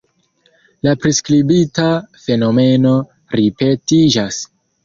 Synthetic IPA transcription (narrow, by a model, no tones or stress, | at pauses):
lapɾeskɾibitafe̞no̞me̞no̞ | ɾipe̞tid͡ʒas